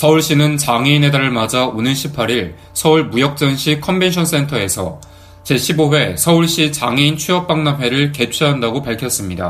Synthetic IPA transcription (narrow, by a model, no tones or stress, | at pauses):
sʰʌuɭɕ͈inɯnt͡ɕaŋe̞inɦe̞daɾɯɭmad͡ʑaonɯɭɕʰipʰːaɾiɭ | sʰʌuɭmujʌk̚t͡ɕ͈ʌnɕʰikʰʌmbe̞nɕʰʌns͈e̞ntʰʌe̞sʰʌ̰ | t͡ɕe̞ɕʰiboɦwe̞sʰʌuɭɕ͈it͡ɕaŋe̞int͡ɕʰɥuʌp̚p͈aŋnamɦwe̞ɾɯɭke̞t͡ɕʰiɦandaɡopaɭkʰjʌs͈ɯmɲida̰